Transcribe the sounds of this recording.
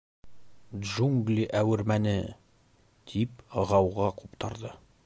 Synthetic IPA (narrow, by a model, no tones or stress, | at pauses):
dʒuŋɡlʲiʔæwɘ̆ɾmænɘ | d̪̥ʰipʁɑwʁɑqʰupt̪ɑɾd̪ɤ